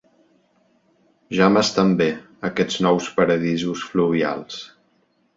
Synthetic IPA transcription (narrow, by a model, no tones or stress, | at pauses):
ʒaməst̪ambe | əkɛd͡znɔwspəɾəðizusfluβ̞ia̰lˠs